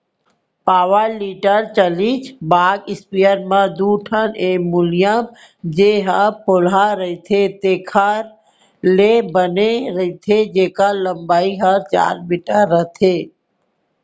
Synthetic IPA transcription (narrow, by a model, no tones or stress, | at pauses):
paːʋəɾliːʈəɾt͡ʃəlit͡ʃʰbaːɡɪspijəɾmãd̪uːʈʰəneːmʊlijəm | d͡ʒeɦapʰolaɾəit̪ʰet̪eːkʰaɾ | lebəneɾəit̪ʰed͡ʒeːkaləmbaːiɦəɾt͡ʃa̰ːɾmiʈəɾːət̪ʰeː